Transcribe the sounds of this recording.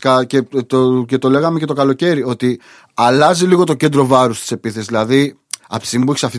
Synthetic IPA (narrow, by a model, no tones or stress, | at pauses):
kɐcet̪ocet̪o̞le̞ɣɐmece̞t̪o̞kɐlo̞ce̞ɾio̞t̪i | ɐlɐziliɣo̞t̪o̞ce̞nd̪ɾo̞vɐɾust̪i̥se̞piθe̞szðilɐði | ɐpsimpueçi̥sɐft̪i